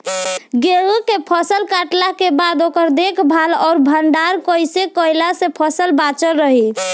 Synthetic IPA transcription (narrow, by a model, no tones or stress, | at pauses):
ɡeɦukepʰəsəlkaʈlakebad̪okəɾd̪ekʰbʱalɔɾbʱəɳɖaɾkəjsekəjlasẽpʰəsəlbat͡ʃəɾːəɦi